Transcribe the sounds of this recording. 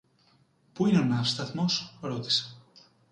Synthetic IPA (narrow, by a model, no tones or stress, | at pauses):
puinonafst̪at̪mosɾot̪e̥s